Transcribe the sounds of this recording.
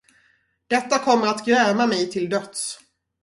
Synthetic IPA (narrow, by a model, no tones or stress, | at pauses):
d̪̥ɛt̪ːakʰɔmːəɾat̪ɡɾɛːmamɛjt̪ʰɪld̪œt̪s